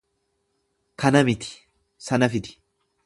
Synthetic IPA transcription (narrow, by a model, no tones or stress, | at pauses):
kʰɐnɐmɪt̪ɪ̥ | sɐnɐfɪt̪ɪ̥